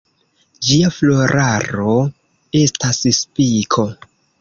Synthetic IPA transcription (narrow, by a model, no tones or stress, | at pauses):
d͡ʒiaflo̞ɾʔaɾo̞ | e̞stasspikʰo̞